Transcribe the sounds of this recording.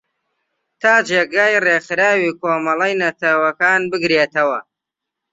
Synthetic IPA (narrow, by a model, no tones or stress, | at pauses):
t̪ʰaːd͡ʒeːɡaːjreːxɨɾaːwiːkoːmɐlˠɐjnɐt̪ʰɐwɐkaːnbɨɡɾeːt̪ɐwɐ